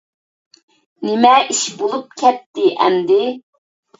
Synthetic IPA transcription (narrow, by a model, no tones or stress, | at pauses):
nɪmɛʔiʃbolˠup̚kʲʰɛt̚t̪ːɪʔɛ̰nd̪ɪ